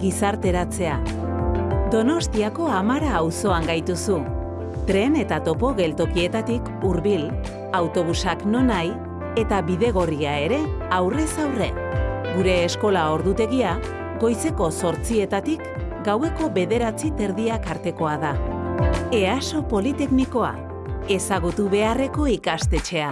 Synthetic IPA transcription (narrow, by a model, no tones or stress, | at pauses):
ɡisaɾt̪e̞ɾat͡se̞a | d̪o̞no̞st̪iako̞amaɾaːwso̞aŋɡajt̪usu | t̪ɾe̞ne̞t̪at̪o̞po̞ɣe̞lt̪o̞kie̞t̪at̪ik | uɾβil | awt̪o̞β̞usakno̞naj | e̞t̪aβiðe̞ɣ̞o̞riae̞ɾe̞awre̞sawre̞ɡuɾe̞ːsko̞lao̞ɾðut̪e̞ɣ̞ia | ɣo̞jse̞ko̞so̞ɾt͡sie̞t̪at̪ik | ɡawe̞ko̞βe̞ðe̞ɾat͡sit̪e̞ɾðiakaɾt̪e̞ko̞aða | e̞aso̞po̞lit̪e̞kniko̞a̰ | e̞saɣut̪uβe̞are̞ko̞ikast̪e̞t͡ʃe̞a